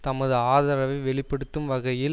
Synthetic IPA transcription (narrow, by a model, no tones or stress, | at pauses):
t̪ɐmɐðɯaːðɐɾɐʋɐɪʋɛɭɪpːɐɽɯt̪ːɯmʋɐɣɐjɪ